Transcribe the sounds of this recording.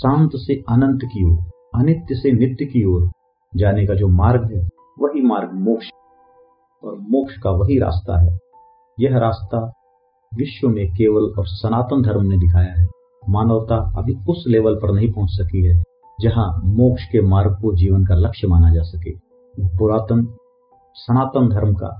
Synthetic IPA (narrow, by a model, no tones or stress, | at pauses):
sãːnt̪seaːnə̃nt̪kioːɾ | ɐnɪt̪jəsenɪt̪jəkioːɾ | d͡ʒaːnekad͡ʒoːmaːɾɡɦɛ | ʋɐɦimaːɾɡmoːkʃ | ɔ̰ːɾmoːkʃkaʋɐɦiɾa̰ːst̪a̰ɦɛː | jɐɦɾaːst̪a | ʋɪʃwənekeːʋəlɔːɾsɐnaːt̪əmd̪ʱɐɾmned̪ɪkʰaːjaɦɛ | maːnəʋt̪aɐ̰bʱiʊsleːʋəlpɐɾnɐɦĩpɐɦʊ̃t͡ʃsɐkiɦɛ | d͡ʒɐɦãmoːkʃkemaːɾɡ̚kod͡ʒiːʋənkalɐkʃmaːnad͡ʒaːsɐkḛː | bʊɾaːt̪əm | sɐnaːt̪əmd̪ʱɐɾmka̰ː